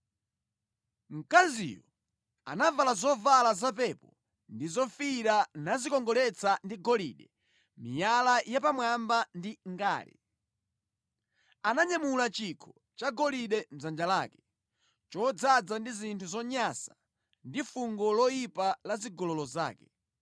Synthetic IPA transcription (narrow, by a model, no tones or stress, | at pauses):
m̩kazḭjɔ | a̰navalazɔvalazap̬ɛpɔ | ndizɔfiɾanazikɔŋɡɔlɛt͡sandiɡɔlḭɗɛ | mijalajapamwambandiŋɡa̰ːlɛ̰ | anaɲamulat͡ʃikʰɔ | t͡ʃaɡɔliɗɛm̩zand͡ʒalaːkɛ̥ | t͡ʃɔd͡zad͡zandizintʰuzɔɲasḁ | ndifuŋɡɔlɔjipalaziɡɔlɔlɔza̰ːkɛ̥